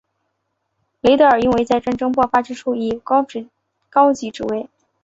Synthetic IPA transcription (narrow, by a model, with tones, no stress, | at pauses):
le˧˥ɪt̪ɤ˧˩ə˞˨˩i˥˧nwe˧˥ɪt͡sa˥˧ɪʈ͡ʂa˥˩nʈ͡ʂɤ˥ŋpwɔ˥˧fa˥ʈ͡ʂɻ̩˥ʈ͡ʂʰu˥˩i˥˩˥ | kɑ˥ʊt͡ɕi˧˥ʈ͡ʂɻ̩˥˩we˥˩ɪ